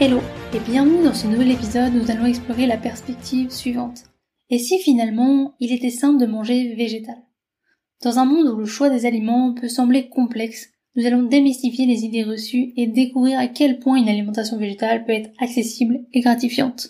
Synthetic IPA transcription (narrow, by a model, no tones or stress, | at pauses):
eloebjɛ̃vnyd̪ɑ̃sənuvɛlepizɔd̪nuzalɔ̃ɛksplɔʁelapɛʁspɛk̚t̪ʰivsɥivɑ̃t̪ | esifinalmɑ̃ilet̪ɛsɛ̃pləd̪əmɑ̃ʒeveʒet̪al | d̪̥ɑ̃zɛ̃mɔ̃d̪uləʃwad̪ezalimɑ̃pøsɑ̃blekɔ̃plɛks | nuzalɔ̃d̪emist̪ifjelezid̪eʁəsyed̪ekuvʁiʁakʲɛlpwɛ̃ynalimɑ̃t̪as̬jɔ̃veʒet̪alpøɛt̪χaksesibleɡʁat̪ifjɑ̃t̪